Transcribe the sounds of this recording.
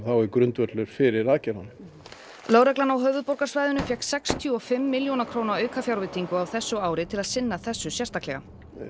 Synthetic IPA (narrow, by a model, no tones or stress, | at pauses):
θawɛɾkɾʏnt̪vœɾt̪lʏɾ̥fɪɾɪɾaðcɛɾanɪ | loːwɾɛklanawɦœːvʏðpɔɾkḁsvaːjðʏnʏfjɛhksɛkst̪ʰjʏɔfɪmːɪljownakʰɾoːwnaɾœːɥkafjawɾvɪt̪iŋkʏawθɛsːʏaːwɾɪt̪ʰɪlaðsɪnːaθɛsːʏsjɛrst̪aklɛɣa̰